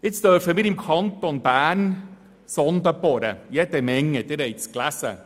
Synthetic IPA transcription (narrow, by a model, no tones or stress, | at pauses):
ɪst̪œɾfəmɪɾɪmkʰɑnt̪onbæːn | sɔnd̪əbɔɾə̰jɛd̪ɛmɛŋːəd̪ɛɾɛjtsklæsə̰